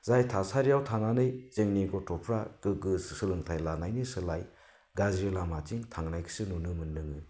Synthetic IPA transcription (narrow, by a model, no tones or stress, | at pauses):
zajtʰasaɾijawtʰananɯjzeŋniɡɔtɔpʰɾaɡ̥ɯɡɯsɯ̥sɯlɯŋtʰajlanajnisɯlaj | ɡazɾelamatiŋtʰaŋnajkʰɯ̥sɯnunɯmɯnːɯŋɯ